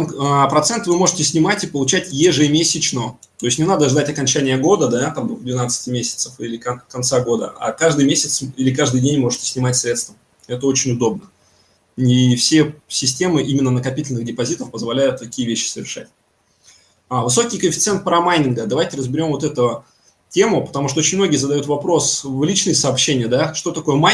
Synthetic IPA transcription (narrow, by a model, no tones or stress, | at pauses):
əpɾɐt̪sɛnt̪vɨmo̞ʐɨtʲɪsʲnʲɪmatʲɪpəlˠʊt͡ɕætʲjeʐɨmʲesʲɪt͡ɕnə | t̪o̞ɪsʲtʲnʲɪnad̪əʐd̪atʲɐkɐnʲt͡ɕænʲɪjəɡo̞d̪əd̪at̪amvd̪vʲɪnat̪sɨ̥tʲɪmʲesʲɪ̥t̪səfilʲɪkɐkɐnt̪saɡo̞d̪ə̰a̰kaʐd̪ɨjmʲesʲɪt̪silʲɪkaʐd̪ɨjdʲenʲmo̞ʐɨtʲɪsʲnʲɪmatʲsɾʲe̞t̪st̪vəm | ɛt̪əot͡ɕɪnʲʊd̪o̞b̚nə | ifsʲe̞sʲɪsʲtʲe̞mɨʔimʲɪnːənəkɐpʲitʲɪlʲnɨɣdʲɪpɐzʲit̪əfpəzvɐlʲæjʊt̪ːɐkʲijəvʲeɕːɪ̥səvʲɪ̰rʂa̰tʲ | avɨso̞kʲijkəfʲɪ̥t̪sɛnt̪̚pəɾɐmajnʲɪnɡəd̪ɐvajtʲɪɾəzbʲɪɾʲo̞mvt̪ɛt̪ʊ | tʲe̞mʊpət̪ɐmuʂt̪oot͡ɕɪnmno̞ɡʲɪjəzəd̪ɐjut̪vɐpɾo̞svlʲit͡ɕnɨjəsəɐːpɕːenʲɪjəd̪aʂt̪o̞t̪ɐko̞jəma